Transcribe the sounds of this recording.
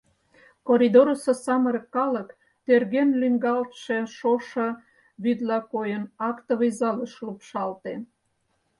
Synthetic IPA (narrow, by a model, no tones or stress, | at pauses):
koɾʲid̪oɾososɑməɾkːɑlək | t̪erɣenlyŋɡɑlt̪ʃeʃoʃɤ̆ | βyd̪lɑkojənɑkt̪əβəzɑləʃlupʃɑlt̪e